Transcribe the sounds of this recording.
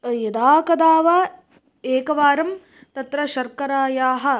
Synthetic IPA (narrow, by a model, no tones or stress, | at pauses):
jɐd̪aːkɐd̪aːʋɐ | eːkɐʋaːɾɐm | t̪ɐt̪ɾɐʃɐɾkɐɾaːjaːɦɐ̆